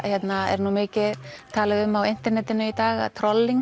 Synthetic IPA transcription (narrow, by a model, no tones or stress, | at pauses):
çjɛt̪naɛ̰ɾnuːmɪːcɪt̪ʰaːlɪɣʏmːawɪn̥t̪ɛɾnɛt̪ɪnʏit̪aːɣa̰ðt̪ʰɾɔlːiŋ